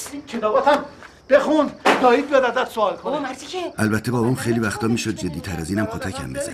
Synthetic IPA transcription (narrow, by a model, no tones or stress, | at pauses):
cʰet̪ɒːbɒt̪ʰæm | b̥exund̪d̪ɒːiːd̪̚bijed̪æd̪æt̪soɒːlkʰoneʔælbæt̪ʰːebɒːbɒːmχejliːvæxt̪ʰɒːmiːʃod̪̚d͡ʒe̞d̪ːiːt̪ʰæɾæziːnæmkʰot̪ʰæcʰæ̰mːizæ̰n